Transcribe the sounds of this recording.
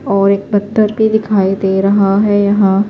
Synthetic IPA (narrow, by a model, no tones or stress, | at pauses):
ɔːɾeːk̚bɐt̪ːəɾbid̪ɪkʰaːid̪eːɾɐɦaɦɛjɐɦã